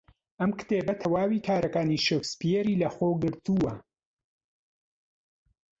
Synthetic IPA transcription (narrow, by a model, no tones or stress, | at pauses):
ʔɐmkt̪eːbɐt̪ʰɐwaːwiːkʰaːɾɐkaːniʃokspijeɾiːlɐxoːɡɨɾt̪uwɐ